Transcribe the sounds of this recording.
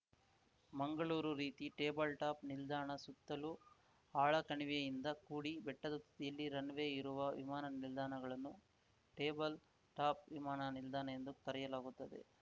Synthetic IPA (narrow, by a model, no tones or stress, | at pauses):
mɐŋɡɐɭuːɾuɾiːt̪iʈeːbɐlʈaːpnild̪aːɳɐsut̪ːɐlu | aːɭɐkɐɳiʋijɐjind̪ɐkuːɽibɛʈːɐd̪ɐt̪ːt̪ijɐlːiɾɐnʋe̞ːiɾuʋɐʋḭmaːnɐnild̪aːɳɐɡɐɭɐnːu | ʈe̞ːbɐl | ʈaːp̚ʋimaːnɐnild̪ʱaːɳɐjend̪ukɐɾɛjɐlaːɡut̪ːɐd̪e̞̰